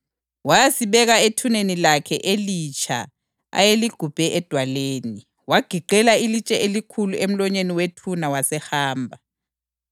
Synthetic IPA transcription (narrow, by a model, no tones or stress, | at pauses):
wajasiɓɛɣaetʰunenilakʰɛʔelit͡ʃʰa̰ | a̰jeliɡ̥ʱub̥ʱɛʔɛd̥ʱwaleːni | waɡ̥ʱiǃɛlailit͡ʃʼɛelikʰuluem̩lɔɲeniwetʰunawasɛxaːmbʱa